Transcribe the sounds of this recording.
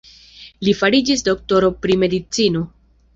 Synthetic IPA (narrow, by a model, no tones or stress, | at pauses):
lifaɾid͡ʒisdo̞k̚to̞ɾo̞pɾime̞dit͡sino̞